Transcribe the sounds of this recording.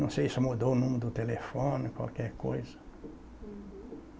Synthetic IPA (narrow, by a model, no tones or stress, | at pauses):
ɐ̃sejsɪmud̪oʊnũmɪɾʊd̪ʊt̪elefõnɪkwa̰lkɛɾkojzɐ̥